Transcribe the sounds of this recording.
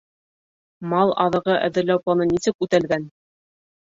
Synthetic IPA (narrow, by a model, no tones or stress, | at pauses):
mɑlˠɑ̰ðɤ̆ʁɤʔæ̰̆ðɘ̆ɾlæwplˠɑnɤnisɘkʉt̪ælɡæn